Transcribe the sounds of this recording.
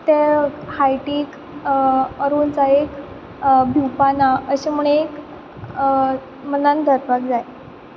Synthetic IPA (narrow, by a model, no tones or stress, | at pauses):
t̪ehajʈiːk | əɾuːnt͡saek | bʱiwpanaəɕemuɳ̃eek | mənand̪ʱəɾpak̚d͡zaj